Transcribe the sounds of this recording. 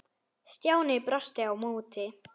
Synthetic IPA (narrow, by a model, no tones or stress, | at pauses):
st̪jawnipɾɔst̪jawmuːt̪ʰːi